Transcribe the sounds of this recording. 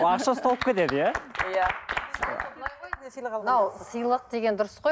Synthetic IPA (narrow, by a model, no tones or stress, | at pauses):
ɑʃɑst̪ɑlˠəp̚kʲet̪e̞d̪əjæja | ənɑwsəjlˠəq̚d̪e̞ɡʲe̞nd̪ʊɾəsqoj